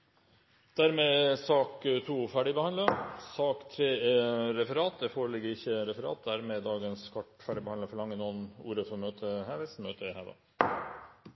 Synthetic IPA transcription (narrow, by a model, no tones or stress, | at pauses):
d̪̥æɾmesɑːkt̪ʰuːfæːɖɪbəhɑnd̪əsɑːkt̪ʰɾeːɛɾɛfəɾɑːt̪̚d̪ɛfoːɾəlɪɡːəɾɪçəɾɛfəɾɑ̰ːt̪̚d̪æɾmɛd̪ɑːɡənskʰɑʈfæːɖɪbəhɑnd̪əfɔɭɑŋːənuːənṵːɾəfɔmøːt̪ʰəhæːʋɛsmøːt̪ʰəɪhæd̪ɑ̰